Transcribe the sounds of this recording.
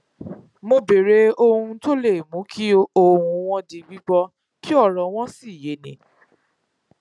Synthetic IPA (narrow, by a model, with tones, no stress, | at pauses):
mo˧be˨ɾe˨˦o˦˧hũ˧to˦le˦˨mũ˨˦kʰi˦o˦hũ˧w̃ɔ̃˧di˧ɡ͡bi˦ɡ͡bɔ˧ | ki˦ɔ˦˨ɾɔ̃˨w̃ɔ̃˦si˦˨je˨˦nĩ˨˦